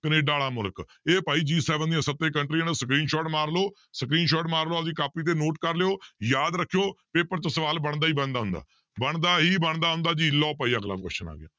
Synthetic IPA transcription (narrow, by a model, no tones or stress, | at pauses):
kəneːɖaːɽaːmʊlk | eːpaːiːd͡ʒiːsɛːʋənd̪ijãːsət̪ːeːkəɳʈɾiːənsəkɾiːnʃɔːʈmaːɾloː | səkɾiːnʃɔːʈmaːɾloːasiːkaːpiːt̪̬eːnoːʈkəɾleoːjaːd̪ɾəkʰːijoːpeːpəɾt͡ʃəsəʋaːlbəɳd̪aːɦiːbəɳd̪aːʊ̃nd̪a̰ː | bəɳd̪aːɦiːbəɳd̪aːɦʊ̃nd̪aːd͡ʒiːlɔːpaːiːaːɡla̰ːkɛ̰ːʃəna̰ːɡɪ̰ja̰ː